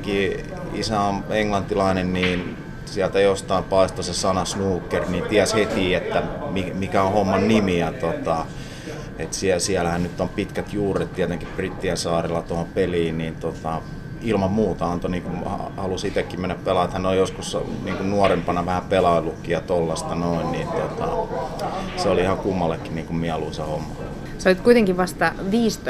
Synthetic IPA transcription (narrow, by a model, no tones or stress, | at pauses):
ŋki | isæoneŋlɑnt̪ːilɑinenniːn | siælt̪æjost̪ɑimpɑist̪osesɑnɑsnuːkːerniːnt̪iæshet̪iːet̪ːæmimikæõhomːɑnnimiæt̪ot̪ɑ | et̪siæsiælæhænnyt̪ːompit̪kæt̪juːret̪t̪iæt̪eŋkipprit̪ːiæsɑːrelːɑt̪ohompeliːnniːnt̪ot̪ɑ | ilmɑmmuːt̪ɑɑnt̪oniːŋkumhɑ̰hɑlusit̪ekːimmenːæppelɑet̪hænolijoskusniːŋkunnuɔrempɑnɑʋæhæpelɑilːukːijɑt̪olːɑst̪ɑnoinniːnt̪ot̪ɑ̰ | seoliihɑkumːɑlːekːiniːŋkummiɛɑluinsehomːɑ | solit̪kuijt̪eŋkiʋʋɑst̪ɑʋiːst̪